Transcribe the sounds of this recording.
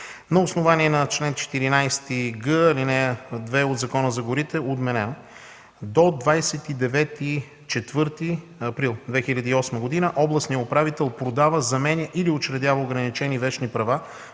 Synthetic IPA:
nɐosnʊvaniɛnɐt͡ʃlɛnt͡ʃɛ̥t̪iɾinajst̪iɡɤɐlinɛd̪vɛod̪zɐkɔnəzɐɡʊɾit̪ɛod̪mɛnɛno | d̪od̪vajsɛt̪id̪ɛvɛt̪i | t͡ʃɛt̪vɤɾt̪i | ɐpɾilˠd̪vɛxilʲɐd̪iːɔsməɡʊd̪inəʔɔblˠɐsnijəopɾavit̪ɛlˠpɾod̪avəzɐmɛnʲəʔiliot͡ʃɾɛd̪ʲjavəoʊɡɾɐnit͡ʃɛnivɛt͡ʃnipɾɐva

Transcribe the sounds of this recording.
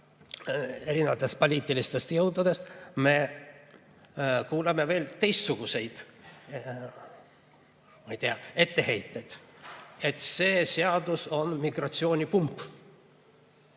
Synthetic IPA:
e̞ɾinevɑt̪ːˑe̞st̪̚po̞lʲiːt̪ːˑilist̪e̞st̪jɤwd̪ud̪e̞st̪me̞ | kuːlɑme̞ve̞ːlt̪e̞jst̪suɡ̥use̞jd̪̥ | mɑjt̪eɑe̞t̪ːe̞he̞jt̪ːe̞jd̪̥e̞t̪se̞ːseɑd̪uso̞nmiɡrɑt̪sio̞ːnʲipumpː

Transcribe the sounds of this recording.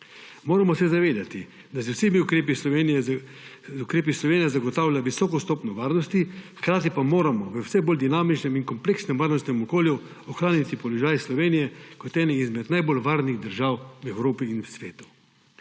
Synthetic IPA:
moːɾamɔsɛzaʋeːd̪at̪i | d̪as̬ɛwsemiukɾeːp̬isɔen | ukɾeːp̬islɔʋeːnijɛzaɡɔt̪aːwlʲjaʋisɔːkɔst̪ɔːpnɔʋaːɾnɔst̪ixkɾaːt̪ipamoːɾamɔʋəwsɛboːld̪inaːmit͡ʃnɛminkɔmpleːksnɛmʋaːɾnɔst̪nɛmɔkoːlju | ɔxɾaːnit̪ipɔlɔʒaːjslɔʋeːnijɛkɔt̪ɛːnɛizmɛt̪najbolʋaːɾniɣd̪əɾʒaːwwɛwɾoːpiːnwsʋeːt̪u̥

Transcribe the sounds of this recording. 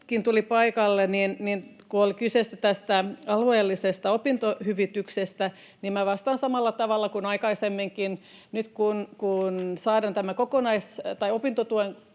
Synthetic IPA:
kint̪ulipɑikɑlːeninninkuolkysest̪æt̪æst̪æɑlueːlːisest̪ɑopint̪ohyʋit̪yksest̪æ | nimmæʋɑst̪ɑnsɑmɑlːɑt̪ɑʋɑlːɑkunɑikɑisemːiŋkin | nyt̪kunkunsɑːɾɑnt̪æmækokonɑist̪ɑiopint̪ot̪uen

